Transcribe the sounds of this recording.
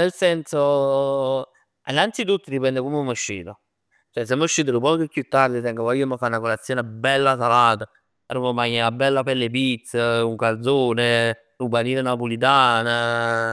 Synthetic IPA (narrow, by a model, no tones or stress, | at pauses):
nelsɛnso | inːant̪sit̪ut̪ːəɾipɛnd̪ekomeumːəʃːḭːt̪o | t͡ʃoɛs̬emːuʃːiːt̪̬əɾupɔkəkjut̪ːaɾd̪it̪ɛŋkapɔjomakːaunakolat̪sːjoːnebɛlːas̬alaːt̪a | ɾumɔmaɲːɛlabɛlːapelːep̬it̪sːəuŋkald̪zoːne | ubaniːlenapulit̪̬aːna